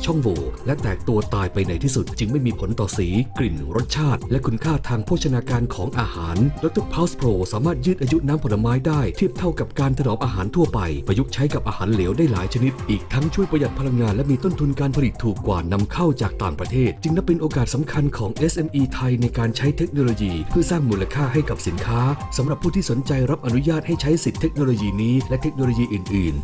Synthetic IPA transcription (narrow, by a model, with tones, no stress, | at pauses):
t͡ɕʰɔ˥˩ŋwoː˨˩lɛ˦˥ʔt̪ɛː˨˩k̚t̪u˧ɐt̪aː˧jpa˧jna˨˧jt̪ʰiː˥˩su˨˩t̪̚t͡ɕɯ˧ŋma˥˩jmiː˧pʰo˨˩˦nt̪ɔː˨˩siː˩˦kli˨˩nɾo˦˥t̪̚t͡ɕʰaː˥˩t̪̚lɛ˦˥ʔkʰu˧nkʰaː˥˩t̪ʰaː˧ŋpʰu˥˩k̚t͡ɕʰa˧naː˧kaː˧nkʰɔː˩˦ŋʔaː˧haː˩˦ndɔ˦˥t̪o˥˩pʰaː˦wspʰɾoː˧saː˨˩˦maː˥˩t̪̚jɯː˥˩t̪ʔaː˧ju˦˥ʔ̚naː˦˥mpʰo˨˩la˧maː˦˥jdaː˥˩jt̪ʰi˥˩əp̚t̪ʰa˥˩wka˨˩p̚kaː˧nt̪ʰa˧nɔː˨˦˩p̚ʔaː˧ɦaː˩˦nt̪ʰu˥˩ɐpa˧jma˧ju˦˥k̚t͡ɕʰa˦˥jka˨˩p̚ʔaː˧haː˩˦nleː˩˦wdaː˥˩jla̰ː˩˦jt͡ɕʰa˧ni˦˥t̪̚ʔiː˨˩k̚t̪ʰa˦˥ŋt͡ɕʰu˥˩əjpɾa˧ja˨˩t̪̚pʰa˧la˧ŋːaː˧nlɛ˦˥miː˧t̪o˥˩nt̪ʰu˧nkaː˧npʰa˧li˨˩t̪ʰːuː˨˩kːwa̰ː˨˩na˧mkʰa˥˩wt͡ɕaː˨˩k̚t̪aː˨˩ŋpɾa˧t̪ʰeː˥˩t̪̚t͡ɕɯ˧ŋlpe˧nʔoː˧kaː˨˩t̪̚sa˩˦mkʰa˧nkʰɔː˩˦ŋʔe˦˥sʔe˧mʔiː˧t̪ʰa˧jna˧jkaː˧nt͡ɕʰa˦˥jt̪ʰe˦˥k̚noː˧loː˧jiː˧pʰɯ˥˩ɐsaː˥˩ŋmuː˧la˧kʰaː˥˩ɦa˥˩jka˨˩p̚si˩˦nkʰaː˦˥sa˩˦mɾa˨˩pʰːuː˥˩t̪ʰiː˥˩so˨˩˦nt͡ɕa˧jɾa˦˥p̚ʔa˧nu˦˥jaː˥˩t̪̚ha˥˩jt͡ɕʰa˦˥jsi˨˩t̪ʰːe˦˥k̚noː˧loː˧jiː˧niː˦˥lɛ˦˥t̪ʰe˦˥k̚noː˧loː˧jiː˧ʔɯː˨˩nʔɯː˨˩n